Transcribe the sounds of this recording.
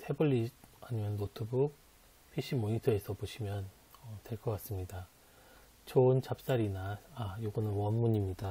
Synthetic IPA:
tʰe̞buʎːiaɲimjʌnːotʰɯbuk̚ | pʰiɕ͈ʰimoɲitʰɯe̞sʰʌpoɕʰimjʌn | ʌtwe̞ɭk͈ʌk͈as͈ɯmɲida | t͡ɕoɯnt͡ɕap̚s͈aɾinaajoɡʌnɯnwʌnmuɲimɲida

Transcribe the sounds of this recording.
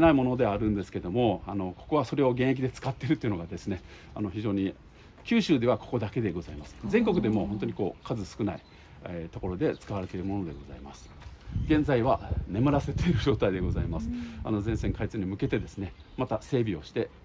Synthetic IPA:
naimo̞no̞d̪e̞aɾɯ̟̃nd̪e̞sɨ̥ke̞d̪o̞mo̞ano̞ko̞̥ko̞βaso̞ɾe̞o̞ɡẽ̞ɰ̃ek̬ʲid̪e̞t͡sɨ̥kat̪ːe̞ɾɯt̪o̞iɯ̟noɡad̪e̞sɨne̞ano̞çiʑo̞ːɲ̟i | kʲɨːɕɨːd̪e̞βako̞̥ko̞d̪ake̞d̪e̞ɡo̞zaimasɨ̥zẽ̞ŋko̞kɯ̟d̪e̞mo̞hont̪oɲ̟iko̞ːkazɨsɨ̥kɯ̟nai | et̪o̞ko̞ɾo̞d̪e̞t͡sɨ̥kaβaɾe̞t̪eɾɯ̟mo̞no̞d̪e̞̰ɡo̞za̰ima̰sɨ̥ | ɡẽ̞nd͡zaiβane̞mɯ̟ɾase̞t̪e̞iɾɯ̟ʑo̞ːt̪aid̪e̞ɡo̞za̰imasɨ̥a̰no̞zẽ̞ɰ̃sẽ̞ŋkait͡sɨɲ̟imɯ̟ke̞t̪e̞d̪e̞sɨne̞ | mat̪ase̞ːbʲio̞ɕi̥t̪e̞

